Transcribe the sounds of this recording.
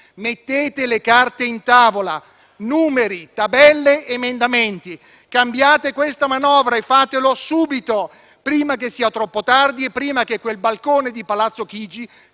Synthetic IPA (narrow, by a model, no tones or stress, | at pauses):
met̪ːeːt̪elekart̪eint̪aːvola | nuːmeɾit̪abɛlːeːmend̪ament̪i | kambjaːt̪ekwest̪amanɔːvɾaefːaːt̪elosuːbit̪o | pɾiːmakesːiːat̪ɾɔpːot̪ard̪iepːɾiːmak̟ekːwelbalkoːned̪ipalat̪sːok̟iːd͡ʒi